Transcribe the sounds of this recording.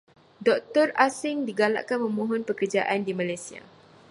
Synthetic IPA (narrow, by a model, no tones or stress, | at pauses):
dɔk̚t̪ɔrasɪŋdiɡala̰ʔkanmə̃mɔ̃ɦɔnpəkərd͡ʒaʔandimãlajsia̰